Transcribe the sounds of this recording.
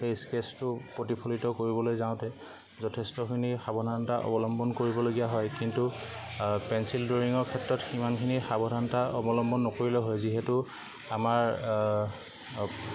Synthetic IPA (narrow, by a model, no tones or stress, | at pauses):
xejskestʊpɹotipʰolitɔkoɹibɔlojzaʊ̃tɛ | zɔtʰɛstɔkʰinixabʱɔdʱantaʔɔ̰bɔlɔmbɔnkoɹibɔloɡijaɦɔjkintu | pɛnsildoɹiŋɔɹkʰɛtɹɔtximankʰinixabʱɔdʱanɔtaʔɔbɔlɔmbɔnːɔkoɹilɛɦɔjziɦɛtʊ | amaɹ